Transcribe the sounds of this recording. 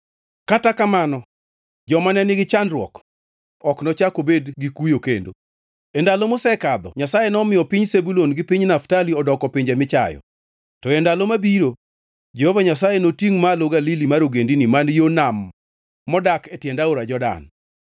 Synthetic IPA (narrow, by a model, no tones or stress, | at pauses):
katakamanɔ | d͡ʒɔmanɛnɪɡɪt͡ʃandrwɔ̰k | ɔknɔt͡ʃakobedɡikujokendo̰ | endalomosɛkad̪ɔɲasajenɔmɪjɔpiɲsebulonɡɪpiɲnaftaliɔdɔkɔpɪɲd͡ʒemɪt͡ʃa̰jɔ̰ | tɔendalomabiɾo | d͡ʒɛhɔvaɲas̬ajenotiŋmaloɡalilimaɾoɡendinimanjonamː | ɔdaketjɛndaoɾad͡ʒɔda̰n